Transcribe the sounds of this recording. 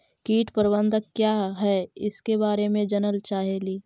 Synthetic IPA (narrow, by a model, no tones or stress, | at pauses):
kiːʈpəɾbə̃nd̪əkːjaːɦɛɪskebaːɾemẽd͡ʒənəlt͡ʃaːɦeliː